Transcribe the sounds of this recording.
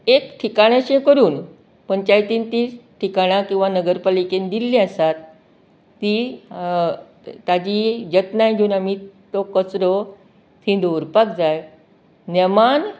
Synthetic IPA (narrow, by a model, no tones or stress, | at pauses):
ekʈʰikaɽ̃jaɕẽkəɾuːn | pəɳt͡ɕajt̪int̪isʈʰikaɽ̃ãkĩw̃ʋanəɡəɾpalikend̪ilːiasat̪ː | i | t̪ad͡ʑid͡ʑət̪najd͡ʑʱuːnamit̪okət͡sɾo | t̪ʰĩd̪ouɾpakd͡zaj | neman